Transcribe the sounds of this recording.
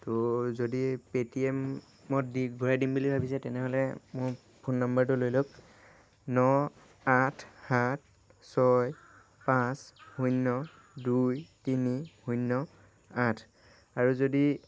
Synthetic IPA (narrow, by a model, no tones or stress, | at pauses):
tozodipetiɛmː | ɔtdiɡʱɔɹadimbulibʱabisɛtɛnɛɦɔlɛmʊj | pʰunːambaɹt̬ʊlojlok | nɔ | atʰhat̚ʰ | sɔj | pãshujnːɔ | dujtinihujnːɔ | atʰ | aɹuzodi